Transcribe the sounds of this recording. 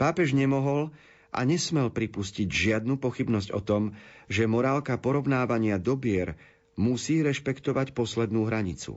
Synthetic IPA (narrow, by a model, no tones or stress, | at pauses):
paːpɛʒɲɛmɔɦɔl | ʔa̰ɲɛsmɛlpɾipusciɟʒɪad̪̚nupɔxibnɔzɟɔ̰t̪ɔmʒɛmɔɾaːlkapɔɾɔʊnaːʋaɲɪad̪ɔbɪɛɾ | musiːɾɛʃpɛkt̪ɔʋacpɔslɛd̪nuːɦɾaɲit͡sṵ